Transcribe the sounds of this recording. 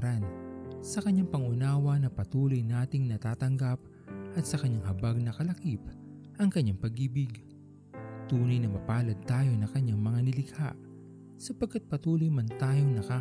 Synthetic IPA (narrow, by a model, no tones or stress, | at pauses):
ɾɐnsɐkɐɲːaŋpɐŋʊnaːwɐnɐpɐt̪uːlo̞jnaːt̪ɪŋnɐt̪aːt̪ɐŋɡap̚ | ʔɐt̪̚sɐkɐɲaŋhɐbaɡ̚nɐkɐlɐkip̚ | ʔɐŋkɐɲːaŋpɐɡiːbɪɡ | t̪uːnɐjnɐmɐpaːlɐd̪̚t̪aːjo̞nɐŋkɐɲːaŋmɐŋanɪlɪɡha̰ʔ | sɐpɐɡ̚kːat̪̚pɐt̪uːlojmɐnt̪aːjo̞ŋnɐkaː